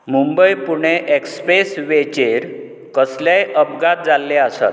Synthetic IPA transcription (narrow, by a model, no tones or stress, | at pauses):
mumbəjpuɳ̃eʔekspesʋet͡ɕeɾ | kəslajʔəpɡat̪̚d͡zalːeasa̰t̪̚